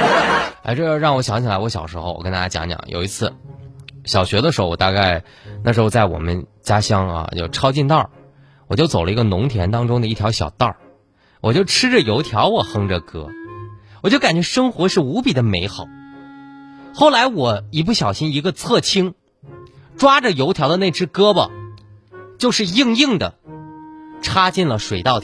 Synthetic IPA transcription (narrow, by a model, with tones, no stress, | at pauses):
a̰˥˧ɪʈ͡ʂɤ˥˩˧ɻɑ˥˩ŋwɔ˧˥ɕjɑ˧˥ŋt͡ɕʰi˨˩la˧˥ɪwɔ˧˥ɕjɑ˨˩ʊʂɻ̩˧˥xo˥˧ʊwɔ˨˩kə˥nt̪a˧˩t͡ɕa˥jɑ̰˧˥ŋt͡ɕjɑ̰˨˧˩ŋjo̰˨˩ʊi˧˥t͡sʰɹ̩˥˩ | ɕjɑ˨˩ʊɕɥɛ˧˥d̪ə˧ʂ̬ɻxo˥˧wɔ̰˨˧˩a˥˧ka˥˧ɪ | na̰˥˩ʂɻ̩˧˥xo˥˧t͡sa˥˩ɪwɔ̰˨˩mə˦nt͡ɕja˥ɕjɑ˥ŋa̰˧t͡ɕjo̰˥˩ʊʈ͡ʂʰɑ˥ʊt͡ɕi˥˧nt̪ɑ˥˩ | wɔ̰˨˩t͡ɕjo˥˩ʊt͡so˨˩lə˦i˧˥ɡə˧nʊ˧˥ŋt̪ʰjɛ˧˥nt̪ɑ˥ŋʈ͡ʂʊ˥ŋd̪ə˧i˥˩t̪ʰjɑ˧˥ɕjɑ˨˩ʊt̪ɑ˥˩ | wʔɔ˨˩t͡ɕjo˥˩ʊʈ͡ʂʰɻ̩˥ʈ͡ʂə˨jo˧˥ʊt̪ʰjɑ˧˥ʊwɔ˨˩xɤ˥ŋʈ͡ʂə˨kɤ˥wɔ˨˩t͡ɕjo˥˩ka˨˩nt͡ɕɥɛ˧˥ʂɤ˥ŋxwɔ˧˥ʂɻ̩˥˩u˧˥pi˨˩d̪ə˦me˧˥ɪxɑ˨˩˦ʊ | xo˥˩ʊla˧˥ɪwɔ˨˩i˧˥p̬u˥˩ɕjɑ˨˩ʊɕi˥ni˧˥ɡə˧t͡sʰɤ˥˩t͡ɕʰi˥ŋ | ʈ͡ʂwa˥ʈ͡ʂə˨jo˧˥ʊt̪ʰjɑ˧˥ʊə˧ne˥˩ɪʈ͡ʂɻ̩˥kɤ˥bə̰˨ | t͡ɕjo˥˧ʊʂɻ̩˥˧ji˥˧ŋi˥˩ŋd̪ə̰˩ | ʈ͡ʂʰa˥t͡ɕi˥˩nlə˩ʂwe˨˩ɪt̪ɑ˥˩ʊ